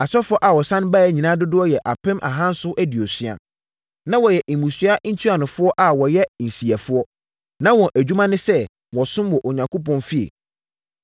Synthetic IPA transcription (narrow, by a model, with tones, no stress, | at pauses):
a˨sɔ˦fʊ˦ɔ˦ʔa˨wɔ˨sã˦n˦ba˦jɛ˦ɲĩ˨nã˦dʊ˦dʊ˦ɔ˦jɛ˨ʔa˨pɪ̃˦mʔa̰˨ɦã˦n̩˦sʊ˦ʔæ˦di˨ɔ˨sɥa̰˨ | nã˦wɔ˨jɛ˨ʔi˨mũ˨sɥa˦n̩˦tʰu˦a˨nʊ̃˨fʊ˦ɔ˦ʔa˨wɔ˨jɛ˦n̩˨si˨a˨fʊ˦ɔ˦ | nã˦wɔ̃˨ʔæ˨d͡ʑᶣu˦mã˦nɪ̃˦sɛ˦ | wɔ˨sʊ̃˦mwɔ˨ʔo˨ɲã˨ŋkʰɔ˦p̬ɔ̃˦nfi˦ḛ˨